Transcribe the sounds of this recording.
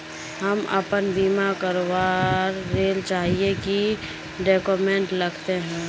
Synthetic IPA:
ɦɐmə̰pənbiːmakəɾowaːɾːeːlt͡ʃaːɦieki | ɖeːkoːmẽːɳʈlɐɡt̪eɦɛ̃ː

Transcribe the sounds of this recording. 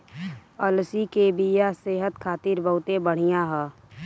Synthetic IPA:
əlsikebʱijaseːɦət̪kʰaːt̪iːɾbəɦʊt̪ebəɽ̤ijãɦɛː

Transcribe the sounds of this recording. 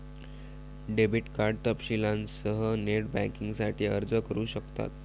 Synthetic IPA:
ɖebiʈkaɾɖ̚t̪əpɕilansəɦəneʈbæ̰̃ŋkiŋɡsaʈʰiːəɾd͡zəkəɾuːɕəkt̪a̰t̪

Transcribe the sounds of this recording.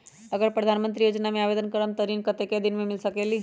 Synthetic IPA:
əɡəɾpɾəd̪ʱanmənt̪ɾijod͡ʒnameaʋed̪ənkəɾəmt̪əɾiːnkət̪eked̪inmemilsəkeli

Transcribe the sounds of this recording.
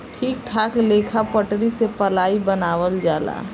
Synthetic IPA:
ʈʰiːk̚t̪ʰaːkleːkʰapəʈɾisepəlaːibənaːʋəld͡ʒaːla̰

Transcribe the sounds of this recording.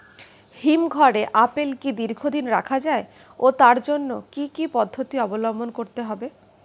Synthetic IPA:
himɡʱɔɾeʔapelkid̪iɾɡʱod̪inɾa̰kʰad͡ʑae | ot̪aɾd͡ʑonːokikipɔd̪ʱːot̪iɔbolombonkoɾt̪eɦɔbe

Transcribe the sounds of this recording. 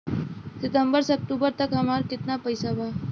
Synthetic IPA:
sit̪əmbəɾsək̚ʈ̪ubəɾt̪əkəmaɾkit̪napəjsaba

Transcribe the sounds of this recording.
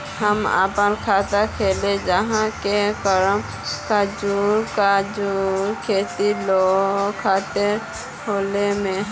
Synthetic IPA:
həmə̰pənkʰat̪akʰeled͡ʒəɦãkekəɾəm | kad͡ʒuɾkad͡ʒuɾkʰet̪ilokʰat̪ɪɾ | ɦolemẽ

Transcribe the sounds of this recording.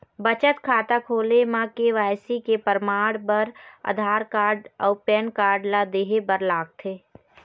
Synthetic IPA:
bət͡ʃət̪kʰaːt̪akʰoːlemãkeʋaːjsikepəɾmaːɽbəɾə̰d̪ʱaːɾkaːɾɖɔʊpɛːnkaːɾɖlad̪eːɦebəɾlaːɡ̚t̪ʰeː

